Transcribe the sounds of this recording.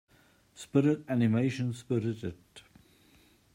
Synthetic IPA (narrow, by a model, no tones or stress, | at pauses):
spɪɾɪtænɪmeɪʃə̃nspɪɾɪtɪd